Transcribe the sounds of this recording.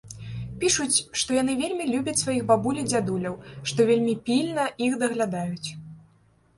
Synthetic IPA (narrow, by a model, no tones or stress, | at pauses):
pʲiʂut͡sʲʂt̪ɔjanɨvʲelʲmʲilʲubʲɐt͡sʲsvajixbabulʲid͡zʲad̪ulʲɐwʂt̪ɔvʲelʲmʲipʲilʲnɐixd̪ɐɣlʲad̪ajut͡sʲ